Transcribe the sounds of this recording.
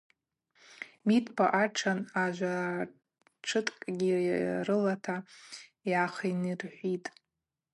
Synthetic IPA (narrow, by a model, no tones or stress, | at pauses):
mitʰʼpʰa̰ʔaʈ͡ʂʰanaʒʷa | ʈ͡ʂʰɨtʼkʼɡʲirɨlatʰajaχinɨrħʷitʼ